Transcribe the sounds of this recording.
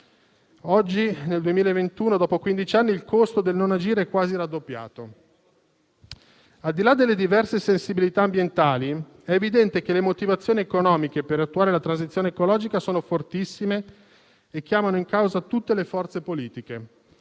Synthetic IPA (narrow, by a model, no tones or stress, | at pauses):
ɔd͡ʒːineld̪uemiːlaevent̪uːnod̪ɔːpokwind̪it͡ʃanːiːlkost̪od̪elnonad͡ʒiːɾeɛkːwaːziɾad̪ːopːja̰ːt̪o | ald̪ilad̪ːelːed̪ivɛrsesensibilit̪aːmbjent̪aːli | ɛevid̪ɛnt̪ek̟elemot̪ivat̪sːjoːniekonɔːmikepeɾat̪ːuaːɾelat̪ɾans̬it̪sjoːneekolɔːd͡ʒikasoːnofort̪isːimeː | k̟ːjaːmanoiŋkawzat̪ut̪ːelefɔrt̪sepoliːt̪ik̟e